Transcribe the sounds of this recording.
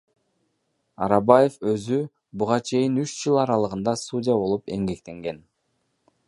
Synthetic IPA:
ɑ̰ɾɑbaje̞fø̞zy | buʁɑt͡ʃʰe̞jinyt͡ʃd͡ʒɯlˠɑɾɑlˠɯʁɯnd̪ɑsudʲijabo̞lˠupe̞ŋɡe̞kt̪e̞ŋɡe̞n

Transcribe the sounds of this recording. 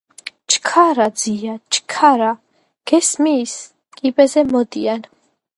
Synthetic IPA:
t͡ʃʰʼkʰaɾad̪ziat͡ʃkʰaɾa | ɡ̥ɛsmiːs | kʼibɛzɛmɔd̪ian

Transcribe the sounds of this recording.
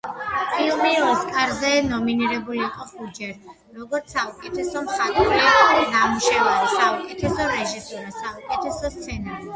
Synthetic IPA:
pʰilˠmiɔskʼaɾzɛnɔminiɾɛbuliːqʼɔχud͡ʒɛɾ | ɾɔɡɔɾt̪saukʼɛt̪ʰɛsɔmχat̪ʼuɾiɔd̪amuʃavaɾisaukʼɛt̪ʰɛsɔɾɛʒisuɾasaukʼɛt̪ʰɛsɔst̪sʰɛna

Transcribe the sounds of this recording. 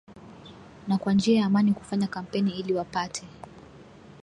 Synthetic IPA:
nakwand͡ʒiajaːmaniku̥faɲakam̩pɛniiliwapatʰɛ

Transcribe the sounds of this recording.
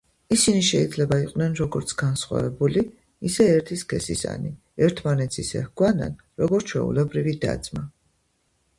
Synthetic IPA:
isiniʃɛid̪zlɛbaiqʼvnɛnɾɔɡɔɾt̪sʰɡansχwa̰vɛbuli | isɛɛɾt̪ʰiskʰɛsḭsa̰ni | ɛɾt̪ʰmanɛt̪sʰisɛ̰hɡwana̰n | ɾɔɡɔɾt͡ʃʰwɛ̰ṵlɛbɾivid̪a̰d̪z̥ma

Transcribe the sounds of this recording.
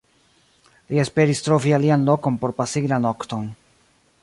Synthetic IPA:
lie̞spe̞ɾistɾo̞vialianlo̞ko̞npo̞ɾpasiɡlano̞kto̞n

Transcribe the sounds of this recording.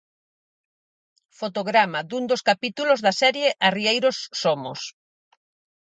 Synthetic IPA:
fot̪oɣɾamad̪und̪oskapit̪ulozðɐsɛɾjeʔariejɾosːomo̰s

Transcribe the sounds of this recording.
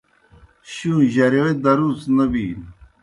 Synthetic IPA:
ɕũʑɐɾoed̪ɐɾuːt͡snɐbi

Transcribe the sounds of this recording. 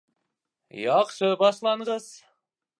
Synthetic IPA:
jɑqʃəbɑʃlˠɑɴʁəz̥

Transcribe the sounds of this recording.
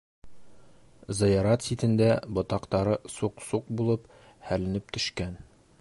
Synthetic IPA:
zɤ̆jɑɾɑt̪sit̪ɘ̆nd̪æbŏt̪ɑqt̪ɑɾɤsuqsuq̚bulˠɤp | hælɘ̆nɘp̚t̪ɵ̆ʃkæn

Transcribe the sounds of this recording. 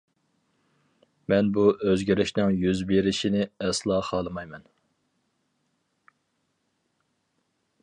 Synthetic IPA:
mɛnbuʔøzɡʲiɾɪʃnɪŋjyzbeɾɪʃinɪɛslˠɑːχɑːlˠɨmɑjmɛn

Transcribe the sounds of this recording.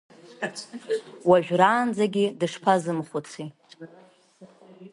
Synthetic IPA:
waʒᶣraːnd͡zaɡʲidɨʂpʰazɨmχʷʊt͡sʷʰi

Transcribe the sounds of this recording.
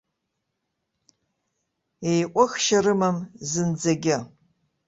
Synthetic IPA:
ejʔʷʼʊxʃarɨmamzɨnd͡zaɡʲɪ

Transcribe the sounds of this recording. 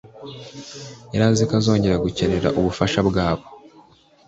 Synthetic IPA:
eɾazikazo̞ːɲɟe̞ɾaɡuce̞ɾe̞ɾa̰ʔuβufaʃabɡaːβo̞

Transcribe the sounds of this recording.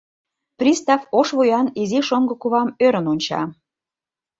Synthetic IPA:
prʲist̪ɑfoʃβujɑniziʃoŋɡɤ̆kuβɑmøɾə̆nonʲt͡ɕɑ̰

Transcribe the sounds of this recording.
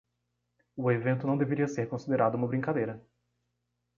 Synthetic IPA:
ʊevẽnt̪ʊnɐ̃w̃d̪eveɾiɐseɾkõsid̪eɾad̪ʊũmɐbɾĩŋkad̪ejɾɐ

